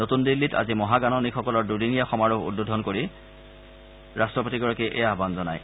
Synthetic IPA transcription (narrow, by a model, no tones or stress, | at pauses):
notundilːita̰zimɔɦaɡanɔnikxɔkɔlɔɹdudinijaxɔmaɹuɦṵd̚bodʱɔnkoɹi | ɹastɹɔpotiɡɔɹakiʔejaɦbanzɔnaj